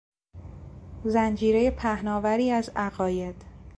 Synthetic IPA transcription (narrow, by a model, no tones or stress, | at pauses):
zænd͡ʒiːɾe̞je̞pʰæhnɒːvæɾiːæzæɣɒːje̞d̪̥